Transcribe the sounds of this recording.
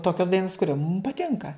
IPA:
ˈtoːkʲoːs ˈdɐɪnoːs kʊˈrʲoː mʊm pɐˈtʲɪŋkɐ

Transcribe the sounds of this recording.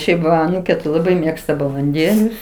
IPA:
ˈʃʲɛɪp ʋɐ ɐˈnuːkʲeː tɐɪ lˠɐˈbɐɪ ˈmʲeːkstɐ bɐlˠɐnʲˈdʲeːlʲʊs

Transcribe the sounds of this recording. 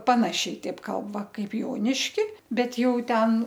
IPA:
ˈpɑːnɐʃʲɛɪ ˈtʲɛɪp ˈkɐlˠp ˈʋɐ ˈkɐɪp ˈjoːnʲɪʃʲkʲɪ ˈbʲɛt ˈjɛʊ ˈtʲɛn

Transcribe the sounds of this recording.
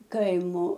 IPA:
ˈkɐɪmoː

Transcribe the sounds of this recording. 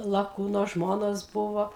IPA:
lˠɐˈkuːnoː ˈʒmoːnoːs ˈbʊʋoː

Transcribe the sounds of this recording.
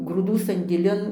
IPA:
ɡruːˈduː sɐnʲdʲeːˈlʲɪn

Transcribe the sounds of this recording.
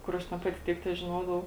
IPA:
ˈkʊr ɐʃ tʲɛn ˈpɑːtʲɪ ˈtʲiɛk tʲɛʒʲɪˈnoːdɐʋɐʊ

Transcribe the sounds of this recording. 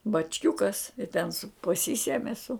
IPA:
bɐt͡ʃʲˈkʲʊkɐs ɪ tʲɛn sʊ pɐˈsʲiːsʲɛmʲɪ sʊ

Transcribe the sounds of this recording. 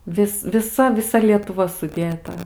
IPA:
ˈʋʲɪs ʋʲɪˈsɐ ʋʲɪˈsɐ lʲiɛtʊˈʋɐ sʊˈdʲeːtɐ

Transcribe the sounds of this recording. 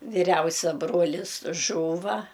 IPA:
ʋʲɪˈrʲɛʊsʲɛ ˈbroːlʲɪs ˈʒuːʋɐ

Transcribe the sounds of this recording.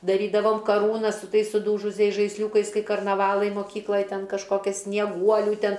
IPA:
dɐˈrʲiːdɐʋoːm kɐˈruːnɐs sʊ ˈtɐɪs sʊˈduːʒʊsʲɛɪs ʒɐɪsʲˈlʲuːkɐɪs ˈkɐɪ kɐrnɐˈʋɑːlˠɐɪ moːˈkʲiːklˠɐj ˈtʲɛn kɐʃˈkoːkʲɛs sʲnʲiɛˈɡuɔlʲuː ˈtʲɛn

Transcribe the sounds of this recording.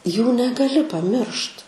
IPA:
ˈjuː nʲɛɡɐˈlʲɪ pɐˈmʲɪrʃt

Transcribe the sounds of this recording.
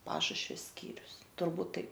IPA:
ˈpɑːʃʊʃʲʋʲɛ ˈsʲkʲiːrʲʊs tʊrˈbuːt ˈtɐɪp

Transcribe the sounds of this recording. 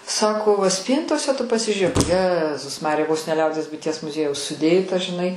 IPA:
ˈsɑːkoː ʋɐ ˈsʲpʲiːntoːsʲɛ tʊ pɐsʲɪʒʲuːˈrʲeːk ˈjæːzʊs ˈmɑːrʲɪjɛ ʋoːs nʲɛ ˈlʲɛʊdʲiɛs bʊɪˈtʲiɛs mʊˈzʲiɛjɛʊs sʊˈdʲeːtɐ ʒʲɪˈnɐɪ

